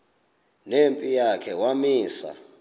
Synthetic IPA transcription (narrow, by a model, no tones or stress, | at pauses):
nempʼijakʰɛwamiːsa̰